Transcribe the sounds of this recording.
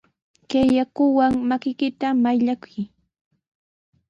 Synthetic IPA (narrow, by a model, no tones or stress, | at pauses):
kejakʊwaŋmakɪkɪt̪amajʎakʊ̥j